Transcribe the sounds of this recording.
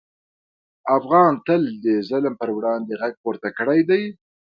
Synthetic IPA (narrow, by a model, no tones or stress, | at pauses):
afɣɑnt̪əld̪əzəlmpəɾwɽɑnd̪eɣaɡ̚poɾt̪akəɽajd̪aj